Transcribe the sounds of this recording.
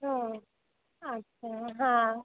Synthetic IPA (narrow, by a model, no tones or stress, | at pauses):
ɦo | ətːɕʰaɦã